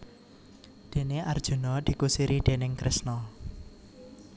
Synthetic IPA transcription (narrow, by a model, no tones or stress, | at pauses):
d̪̥e̤neard̥ʒ̥ṳnɔd̪̥i̤kusiɾiɖ̪̥e̤nɪŋkɾʔɪsnɔ